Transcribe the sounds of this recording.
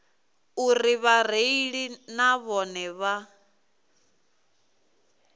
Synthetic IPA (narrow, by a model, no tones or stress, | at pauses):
uriβar̤eiɺinaβɔnɛβa